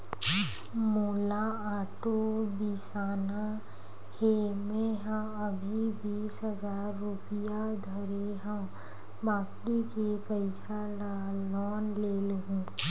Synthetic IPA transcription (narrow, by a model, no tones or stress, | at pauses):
moːlaaːʈobisaːna | hemẽɦəm | əbʱibiːsɦəzaːɾːupɪjad̪ʱəɾeɦəm | baːplikepəɪsa | la | lɔːnleːlɦũː